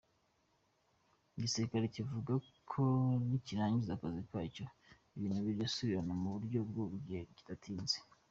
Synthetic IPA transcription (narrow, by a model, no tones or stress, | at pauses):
iɟiseɾikaɾecivuɡakʰoniciɾaːɲɟizakazikwaːco̞ | iβiːnhuβiɾasuβiɾanamuβuɾɟo̞bɡuβuɡɟiheɟi̥tatʰiːnze̥